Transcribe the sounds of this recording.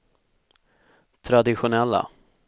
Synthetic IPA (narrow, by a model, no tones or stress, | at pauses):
t̪ʰɾad̪ɪɧʊnɛlːa̰